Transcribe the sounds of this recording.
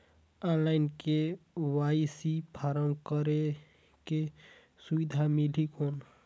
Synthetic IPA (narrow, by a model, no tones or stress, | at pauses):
anlaɪnkewajsipʰaɾəŋkəɾe | ke | subid̪ʱamilikon